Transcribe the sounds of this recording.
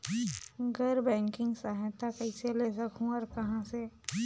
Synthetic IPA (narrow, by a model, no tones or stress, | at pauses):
ɡʱɐɾbɛ̃ːŋkɪ̃ŋɡsaːɦt̪akɐɪselesɐkʰũɔːɾkɐɦãse